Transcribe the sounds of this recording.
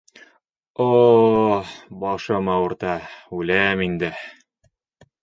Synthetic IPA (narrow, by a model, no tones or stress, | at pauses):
o | bɒʃɤmɑwɤ̆ɾt̪ɑʉlæmind̪ɘ